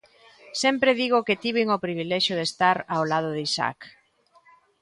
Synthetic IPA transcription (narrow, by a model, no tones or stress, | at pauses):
sɛmpɾeðiɣoket̪iβ̞iŋopɾiβilɛʃjoð̞est̪aɾawlað̞oðisa̰k